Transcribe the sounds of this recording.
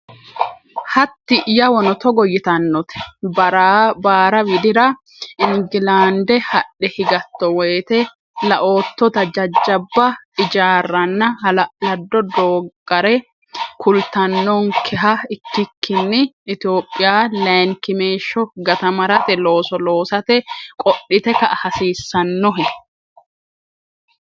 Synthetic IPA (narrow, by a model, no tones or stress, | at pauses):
hɐt̪ːɪʔjɐwɔnɔt̪ɔɡɔjɪt̪ɐnːɔt̪ɛ̥ɐɾbaːɾɐwɪd̪ɪɾɐ | ɪŋɡɪlaːnd̪ɛhɐɗːɛhɪɡɐt̪ːɔwɛːt̪ɛ | lɐʔo̞ːt̪ːɔt̪ɐd͡ʒɐd͡ʒːɐbːɐɪd͡ʒaːrːɐnːɐlɐd̪ːɔd̪oːɡʼɐɾɛ | kʰʊlt̪ɐnːɔŋkʰɛɦɐɪkːɪkːɪnːɪːt̪ɪo̞ːpʼːɪjaːlɐŋkɪmeːʃːɔɡɐt̪ɐmɐɾɐt̪ɛlo̞ːsɔlo̞ːsɐt̪ɛkʼɔɗːɪt̪ɛkɐʔhɐsiːsːɐnːɔɦɛ